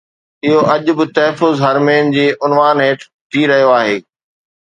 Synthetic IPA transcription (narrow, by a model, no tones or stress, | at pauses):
ɪɦoʔɐʄ̆bɪt̪ɐɦɛfʊzɦɐɾmeːnd͡ʑiːʔʊnʋaːnɦeːʈ | t̪ʰiɾɐɦijoaːɦeː